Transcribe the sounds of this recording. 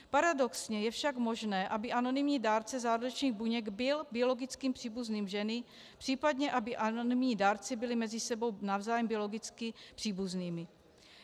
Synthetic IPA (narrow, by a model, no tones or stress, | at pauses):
paɾado̞ksɲɛjɛfʃakmo̞ʒnɛːʔabɪʔano̞nɪmɲiːdaːɾt͡sɛzaːɾɾot͡ʃɲiːɣbuɲɛɡbɪlbɪo̞lo̞ɡɪt͡skiːmpr̥iːbuzniːmʒɛnɪ | pr̥iːpadɲɛʔabɪʔanonɪmɲiːdaːɾt͡sɪbɪlɪmɛzɪsɛbo̞wnavzaːjɛmbɪo̞lo̞ɡɪt͡skɪpr̝̥iːbuzniːmɪ